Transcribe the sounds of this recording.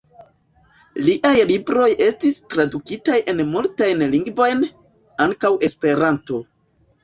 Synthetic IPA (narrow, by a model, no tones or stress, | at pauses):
liʔajlibɾo̞je̞stistɾadukitajʔe̞nmultajnliŋɡvo̞jn | aŋkawe̞spe̞ɾanto̞